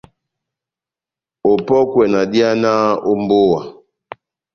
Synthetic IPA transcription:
o˨pɔ˦kwɛ˨na˨di˦a˦na˦o˦m˦bo˦wa˨

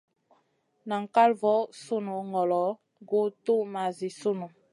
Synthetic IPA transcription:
na˨ŋ̩˨ka˦lvɔ˦su˦nu˨ŋɔ˨lɔ˨˦ | ɡu˦tu˦ma˨zi˨su˦nu˨

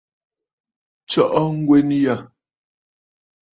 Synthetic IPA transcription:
t͡ʃɔ˦ʔɔ˦ŋ̩˦ɡwe˦nja˦˨

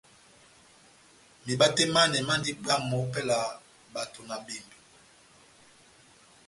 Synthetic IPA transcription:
mi˨ba˦tɛ˦ma˦nɛ˨ma˦ndi˦ɓa˦mo˨˦pɛ˦la˨ | ba˨to˨na˨be˦˨mbi˨

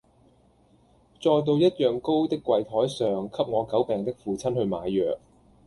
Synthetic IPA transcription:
t͡ʃɔː˧jt̪o˧wjɐ˥t̚jœː˨ŋko˥wt̪ɪ˥kʷːwɐ˨jt̪ʰɔː˨˥jsœː˨ŋkʰɐ˥p̚ŋɔː˨˧kɐ˨˥wpɛː˨ŋt̪ɪ˥k̚fuː˨t͡sʰɐ˥nhɵ˧ɥma̰ː˨˧jːœ̰ː˨k̚

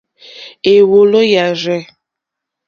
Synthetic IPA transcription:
e˨wo˨lo˦ja˨ʒɛ˦

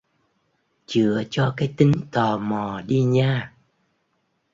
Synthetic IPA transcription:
t͡ɕɨ˨˧˩ət͡ɕɔ˧kaː˨˦jt̪ï˧˦ŋt̪ɔ˨˩mɔ˨˩ɗi˧ɲaː˧

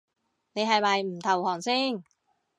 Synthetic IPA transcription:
ne˨˧jɦɐ˨jmaː˨˩jm̩˨˩t̪ʰɐ˨˩whɔː˨˩ŋsiː˥ŋ

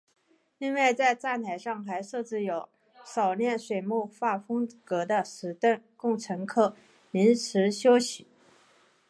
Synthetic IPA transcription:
i˥nwe˥˧ɪt͡sa˥˧ɪt͡sa˥˩nt̪ʰa˨˩ɪʂɑ˥˩ŋxa˧˥ɪʂɤ˥˧ʈ͡ʂɻ̩˥˩jo˨˩˦ʊ | ʂɑ˨˩ʊnjɛ˥˩nʂwe˨˩ɪmu˥˧fa˥˩fɤ˥ŋkɤ˧˥d̪ə˧ʂɻ̩˨˩t̪ə˥˧nkʊ˥˩ŋʈ͡ʂʰɤ˧˥ŋkʰɤ˥˩ | mi˧˥nʂɻ̩˧˥ɕjo˥ʊɕi˨˩

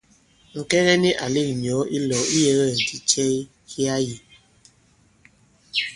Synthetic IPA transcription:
ŋ̩˨kɛ˦ɣɛ˦ni˦ʔa˨li˦kɲ˨ɔː˨˦i˦lɔ˨i˦je˦ɣɛ˦˨n̩˨ti˦t͡ʃɛ˦ | hi˦a˦ji˨

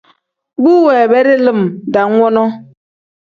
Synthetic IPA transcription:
bu˦we˨be˦ɾɪ˦lɨ˦˨m̩˨da˨ŋʷɔ˦nɔ˦

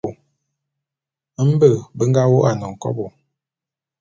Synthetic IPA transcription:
ə˦m̩˦bə˦˨bə˦ŋ̩˦ɡa˦wo˦ʔa˨nɔ˨ŋ˨kɔ̰˦bo˨

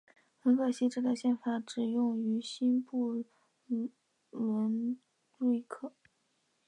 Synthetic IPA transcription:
wə˧˥nkɤ˥˩ɕi˧˥ʈ͡ʂɻ̩˥˩d̪ə˧ɕjɛ˥˩nfa˨˩˥ʈ͡ʂɻ̩˨˩jʊ˥˩ŋy˧˥ɕi˥npu˥˩ | lwə˧˥n | ɻu˥˧i˧˥˩kʰɤ˥˩

